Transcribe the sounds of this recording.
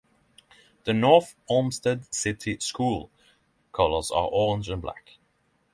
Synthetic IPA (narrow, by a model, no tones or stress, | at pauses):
ðənɔɹθɔmstədsɪtʰiskuːlˠ | kʰʌləzə̰ʔɔɹɪ̃nd͡ʒə̃nbla̰k